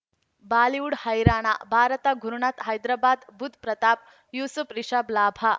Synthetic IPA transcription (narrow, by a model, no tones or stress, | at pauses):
baːliuɽhɐjɾaːɽ̃a̰bʱaːɾət̪aɡʱuɾuɳat̪ɦɐjd̪ɾabaːd̪bud̪̚ʱpɾɐt̪aːp̚ | juːsupɾiʂablaːbʱa